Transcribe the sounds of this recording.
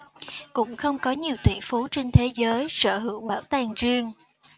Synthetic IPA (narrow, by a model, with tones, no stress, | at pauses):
kʊ̰˧˥ŋ͡mxə˧wŋ͡mkɔ˨˦ɲi˨˩əwt̪wḭ˧˩əfu˨˦t͡ɕe˧nt̪ʰe˨˦zəː˨˦jsə̰ː˧˩ɦɨ̰˧˩əŋɓaː˧˩wt̪aː˨˩ŋzi˧əŋ